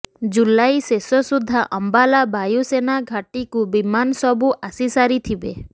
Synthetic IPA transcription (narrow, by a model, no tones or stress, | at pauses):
d͡ʒulajsesɔsud̪ʱːaʔɔmbalabajusenaɡʱaʈikubimansɔbuʔasisaɾit̪ʰibe